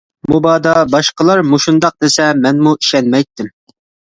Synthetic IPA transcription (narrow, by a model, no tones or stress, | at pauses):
mubɑːd̪ɑbɑʃqəlˠɑɾmuʃund̪ɑq̚d̪esɛmɛnmuiʃɛnmɛjt̪ːɪm